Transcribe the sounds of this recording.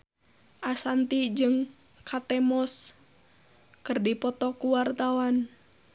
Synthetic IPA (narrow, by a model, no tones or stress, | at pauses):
ʔasant̪id͡ʒɨŋ | kʰat̪ɛmɔs | kɨrdipɔt̪ɔkuwart̪awan